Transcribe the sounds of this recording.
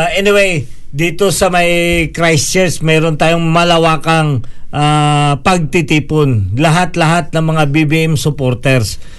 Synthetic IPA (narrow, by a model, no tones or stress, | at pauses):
ʔɛnɪwej | d̪iːt̪o̞sɐmɐjkɾajst͡ʃɛɹsmɛːɾont̪aːjoŋmɐlɐwaːkɐŋʔapɐɡ̚t̪ɪt̪iːponlɐɦat̪lɐɦat̪̚nɐŋmɐŋabibiʔɛmsʊpoɾt̪ɛɾs